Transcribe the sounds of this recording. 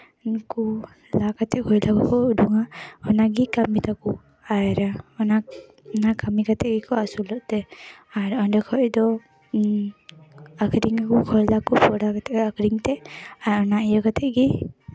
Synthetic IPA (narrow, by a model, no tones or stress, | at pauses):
nku | lakatʰɛʔkʰɔjlakɔkʰɔuduŋaɔnaɡikamit̪aku | ajɾaɔna | nakamikatʰɛʔɡikʰɔasulɔʔtɛaɾɔndɛkʰɔjdɔ | akʰɾiŋakukʰɔɾlakupʰɔɾakatʰɛakʰɾiŋtɛaɔnaijakat̪ʰɛʔɡi